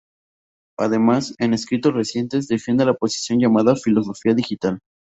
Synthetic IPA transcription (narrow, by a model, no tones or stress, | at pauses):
aðe̞mase̞ne̞skɾit̪o̞sre̞sje̞nt̪e̞zðe̞fje̞nd̪e̞lapo̞si̥sjo̞nʝamaðafilo̞s̬o̞fiaðixit̪al